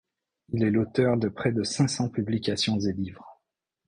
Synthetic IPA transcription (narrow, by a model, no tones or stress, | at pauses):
ilɛlot̪œʁd̪əpχɛd̪əsɛ̃sɑ̃pyblikʲasjɔ̃zelivʁ